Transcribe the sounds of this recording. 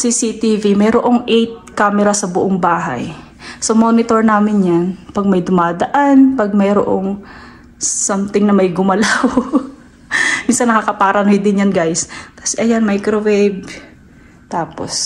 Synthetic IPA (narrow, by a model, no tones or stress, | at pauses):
sisit̪ivimɛjɾoʔoŋʔɛjt̪̚kaːmɛɾɐsɐbʊʔoŋbaːɦɐ̰j | sɐmonɪt̪oɹnaːmɪnjanpɐɡ̚mɐjd̪ʊmaːd̪ɐʔanpɐɡ̚mɛjɾoʔo̰ŋ | samt̪ɪŋnɐmɐjɡʊmɐlaw | minsɐnːɐkakɐpaɾɐnojd̪ɪnjɐnɡajskɐ̥sɛʔɐjanmajkɾowejb̚ | t̪aːpo̰s